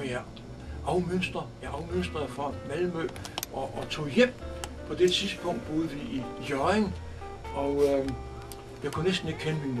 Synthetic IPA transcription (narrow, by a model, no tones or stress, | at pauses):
jæ | ɑ̈ʊmøn̰sd̥ʁɐjæɑ̈ʊmøn̰sd̥ʁɐðˠfɒmælmø̰ːʔɒːt͡sʰo̝̰ːjem̰pʰɒ̽d̥esispʰɔ̽ŋ̰d̥̚b̥o̝ːðˠʋiʔijɒeŋ | ɒ̽ʊ | jɑkʰunesd̥n̩e̝ɡ̥̚kʰenəmin